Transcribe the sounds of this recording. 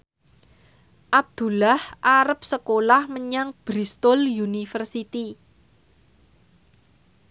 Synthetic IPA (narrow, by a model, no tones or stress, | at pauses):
ʔab̚d̪̥ṳlahʔaɾəp̚səkolahməɲaŋb̥ɾist̪ʊljunifərsit̪i